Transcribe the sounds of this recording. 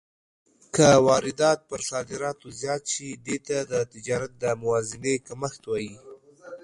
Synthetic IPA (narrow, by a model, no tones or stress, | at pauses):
kəwɑɾɪd̪ɑt̪̚pəɾsɑd̪ɪɾɑt̪ozjɑt̪ʃid̪et̪ad̪ət̪ɪd͡ʒɑɾat̪̚d̪əmʊwɑzɪnekaməxt̪wɑji